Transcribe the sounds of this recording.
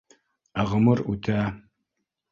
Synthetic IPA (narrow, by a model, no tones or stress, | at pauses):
aʁəmɨrutʰaː